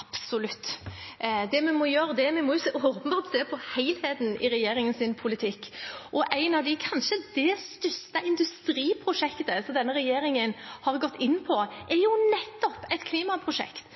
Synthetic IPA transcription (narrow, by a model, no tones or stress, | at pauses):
ɑpsʊlʉt̪ː | d̪ɛmɛmɔjøːɾəd̪ɛmɛmɔjʊsːoːpənbɑːɾt̪seːpʰɔhæɪlheːt̪n̩ɪ̰ɾɛjeːɾɪŋənsɪnpʰʊlɪt̪ʰɪkːʔɔʔæɪnɑʋd̪ɪkʰɑnʃəd̪ɛst̪ʏst̪əɪnd̪ʉst̪ɾiːpʰɾʊʂɛkt̪əsɔmd̪ɛnːəɾɛjeːɾɪŋənhɑʁɡɔt̪ːɪnːpʰɔʔɛɾjʊnɛt̪ːɔpɛɪt̪kʰliːmɑpʰɾʊʂɛ̰kt̪